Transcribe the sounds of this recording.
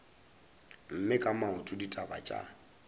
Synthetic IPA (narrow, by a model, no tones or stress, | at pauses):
m̩mɪkʼamaʊtʼʊditʼaba̰t͡ʃʼa̰